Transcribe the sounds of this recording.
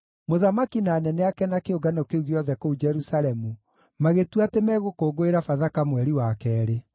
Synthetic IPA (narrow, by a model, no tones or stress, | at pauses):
moðamakinaːnɛnɛakɛnakeoɡanɔkeuɣeɔðɛkoud͡ʒɛɾusaɾɛmu | maɣetwatemɛːɣokoːɡoeɾafaðakamwɛɾiwakɛːɾe